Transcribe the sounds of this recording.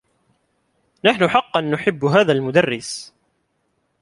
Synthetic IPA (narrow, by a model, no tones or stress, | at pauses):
naħnʊħɑqːɑnːʊħɪbːɦaːðalmʊd̪arːɪs